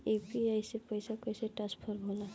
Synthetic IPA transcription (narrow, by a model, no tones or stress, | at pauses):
epiajsepɔjsakɔjsɛʈaspʰɔɾbʱɔla